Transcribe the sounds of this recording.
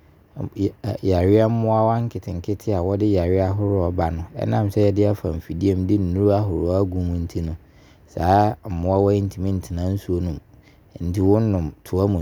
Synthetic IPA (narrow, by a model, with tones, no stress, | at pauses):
ja˨ɾɪ˦a˦m̩˦mʊ̃˦a˦wa˦ŋ̩˦kʰɪ˨tʰɪ̃˨ŋ˨kʰɪ˦tʰɪ˦a˨wɔ˦dɪ˦ja˨ɾɪ˦a˦ɦʊ˦ɾʊ˦ɔ˨ba˨nʊ̃˨˦ɛ̰˦nã˦˨msɛ˦jɛ˦dɪ˦a˦fã̰˨m̩˨fi˨di˦e˨mdɪ˦n̩˨nũ˦ɾa˦ɦʊ˨ɾʊ˨˦a˦ɡũ˨mũ˦n̩˦tʰi˦nʊ̃˨ | saː˨˦m̩˨mʊ̃˦a˦wɔ˦i˦n˦tʰĩ˨mĩ˦n̩˨tʰɪ˨nã˦n̩˦su˦o˦nũ˨m | n̩˨tɪ˦wʊ̃˦n̩˦nʊ̃˨mtʰʊ˨˦a˦mũ˨